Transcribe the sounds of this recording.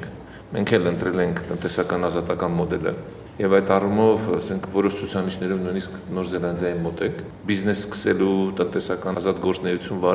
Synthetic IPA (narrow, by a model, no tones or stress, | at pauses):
kʰ | mɛŋkʰɛlənt̪ɾɛlɛŋkʰt̪ənt̪ɛsɑkɑnɑzɑt̪ɑkɑnmɔd̪ɛlə̰ | jɛvɑjt̪ɑrumɔvɑsɛŋkʰvɔɾɔʃt͡sʰut͡sʰɑniʃnɛɾɔvnujnisknɔɾzɛlɑnd̪jɑjinmɔt̪ɛŋkʰ | biznɛsskə̥sɛlut̪ənt̪ɛsɑkɑnzɑt̪ɡɔɾt͡snɛjut͡sʰjunvɑ